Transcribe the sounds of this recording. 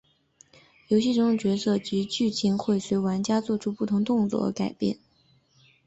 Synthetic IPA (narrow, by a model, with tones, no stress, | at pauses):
jo˧˥ʊɕi˥˩ʈ͡ʂʊ˥˧˩t͡ɕɥɛ˧˥sɤ˥˩t͡ɕi˧˥t͡ɕy˥˩t͡ɕʰi˥nxwe˥˩ɪswe˧˥ɪwa˧˥nt͡ɕja˥t͡swɔ˥˩ʈ͡ʂʰu˥pu˥˩t̪ʰʊ˧˥ŋt̪ʊ˥˧ŋt͡swɔ̰˥˩ə̰˧˦˥ka˨˩ɪpjɛ̰˥˩n